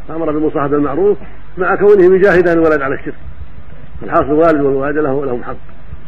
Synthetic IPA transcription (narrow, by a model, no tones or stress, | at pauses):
ʔamɑɾˤɑbɪlmʊsˤɑːħad̪almaʕɾuːf | maʕakawnɪhɪmʊd͡ʒaːhɪd̪aːnlwalad̪ʕalaʃːɪɾk | falħɑːsˤɨlwaːlɪd̪wɪlwaːɪd̪lahwlahʊmħaqː